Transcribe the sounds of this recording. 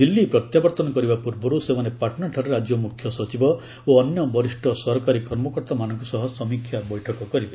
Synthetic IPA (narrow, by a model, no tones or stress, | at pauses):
d̪ilːipɾɔt̪jabɔɾt̪ɔnɔkɔɾibapuɾbɔɾusemanepaʈɔnɔʈʰaɾeɾad͡ʒjɔmukʰjɔsɔt͡ʃibɔ | oːnjɔbɔɾisʈʰɔsɔɦɔkaɾikɔɾmɔkɔɾt̪ɔmanɔ̃ŋkɔsɔɦɔsɔmikʰjabɔjʈʰɔkɔkɔɾibe